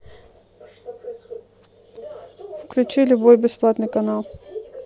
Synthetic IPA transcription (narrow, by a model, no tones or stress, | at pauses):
fklʲʉt͡ɕilʲʊbojbʲɪsplˠat̪nɨjkɐnalˠ